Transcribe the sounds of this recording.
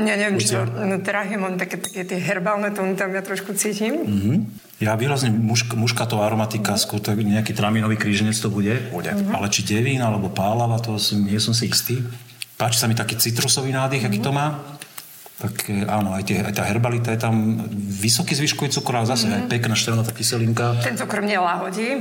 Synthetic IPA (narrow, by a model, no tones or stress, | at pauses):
ɲɛɲɛʋjɛmt͡ʃit̪ɔnɔt̪ɾaɦɛmɔnt̪akɛt̪ḁkɛt̪ɪɛɦɛɾbalnɛt̪ɔnit̪amjat̪ɾɔʃkut͡siːcim̩ɦ̩ | jaʋiːɾazɲɛmuʃkmuʃkat̪ɔʋaɾɔmat̪ikaskwɔɾt̪akɲɛakiːt̪ɾaminɔʋiːkɾiːʒɛɲɛt͡st̪ɔbuɟɛpɔɟɛ̰a̰lɛt͡ʃiɟɛʋiːnalɛbɔpaːlaʋat̪ɔasiɲɪɛsɔmsiist̪iːpaːt͡ʃi̥samit̪akiːt͡sit̪ɾɔsɔʋiːnaːd̪iɣakiːt̪ɔmaː | t̪akaːnɔajt̪ɪɛa̰jt̪aːɦɛɾbalit̪ajɛt̪amʋisɔkizʋiʃkɔʋit͡sukt̪ɔɾaːzasɛajpɛknaːʃt̪ɛlnat̪akisɛliŋkat̪ɛnt̪ɔkrmɲɛlaɦɔɟiː